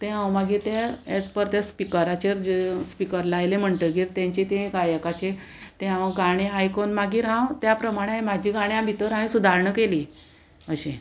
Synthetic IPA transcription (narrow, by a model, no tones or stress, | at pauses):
t̪ẽɦãwmaɡʱiːt̪eɛt͡spəɾt̪espikəɾat͡ɕeɾd͡ʑspikəɾlaːjlẽm̤əɳʈ̪əɡiːɾt̪jãɲt͡ɕet̪ẽɡajəkat͡ɕe | t̪ẽɦãwɡaɽ̃eajkonmaɡiːɾɦãwt̪japɾəmaɽ̃eamad͡ʑʱiɡaɽ̃jãbʱit̪əɾɦãĩsud̪ʱaɾɳəkeliː | əɕẽ